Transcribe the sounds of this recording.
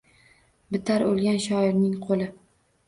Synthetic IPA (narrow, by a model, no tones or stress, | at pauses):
bɪt̪ʰaɾolˠɡʲanʃɒɪɾnɪŋqʰolˠɪ